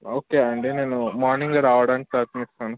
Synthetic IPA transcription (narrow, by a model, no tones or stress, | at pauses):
oːkeɐɳʈeːneːnumaːɾniŋɡɐɾaːʋɐɽaːɳʈaːk̪ɐnist̪aːnɐ